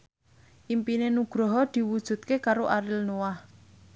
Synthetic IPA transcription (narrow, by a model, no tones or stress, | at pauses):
ʔimpinenuɡ̥ɾɔɦɔd̪̥i̤wud̥ʒ̥ṳt̪̚kekaɾoʔaɾilnowah